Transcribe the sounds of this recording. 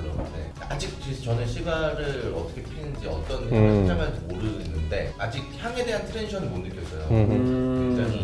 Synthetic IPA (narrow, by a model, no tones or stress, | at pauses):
ɯɾʌnnḛ | a̰d͡ʑik̚ket͡ɕʌneɕʰibaɾɯɾʌt͈ʌkʰepʰinɯnd͡ʑiʌt͈ʌnaat͡ɕamatʰumoɾɯnːɯnde̞ad͡ʑiɡ̚çjaŋe̞de̞ɦantʰɯɾeniɕʰʌnɯɭmondɯk͈jʌs͈ʌjo̰kweŋd͡ʑaŋi